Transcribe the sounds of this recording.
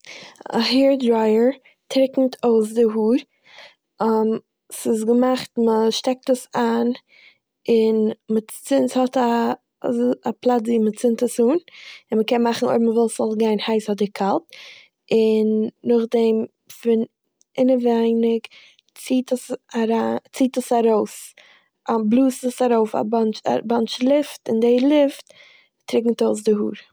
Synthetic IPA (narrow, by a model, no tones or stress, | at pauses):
a̰ɦɛːɾdɾaɪəɾ | tʰɾɪkŋ̩tʰoʊs̬dɪɦuːɾ | m | sɪs̬ɡəmaχtməʃtɛk̚təsaːn | ɪnmət͡sɪnthɔta | aplˠatziːmət͡sɪntəsuːnɪnməkɛnmaχn̩o̰ɪbm̩vɛlˠszɔlˠɡaɪnhaɪshɔdɪkʰalˠt̚ | ɪnːʊχdɛm | fɪn | ɪnəvaɪnɪk | t͡siːtəsaɾat͡siːtəsaɾoʊs | ablˠuːsəsaɾoʊfa̰bant͡ʃa̰bant͡ʃlˠɪftɪndɪlˠɪft | tɾɪk̬ŋ̩toʊs̬dɪhuːɾ